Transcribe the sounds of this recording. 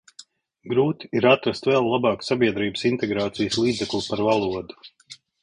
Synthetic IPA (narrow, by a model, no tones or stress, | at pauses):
ɡɾuːt̪i̥iɾat̪ɾast̪vɛlˠːabɑːksabʲiɛd̪ɾiːbəsint̪ɛɡɾaːt̪sijəslˠiːd̪zɛklʲˠupaɾvalˠuɔd̪u̥